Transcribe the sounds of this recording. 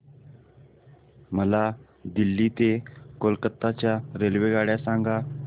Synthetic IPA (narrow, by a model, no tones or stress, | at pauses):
məla | d̪ilːiːt̪ekolkət̪ːat͡ɕjaɾelʋeɡaɽjasãŋɡa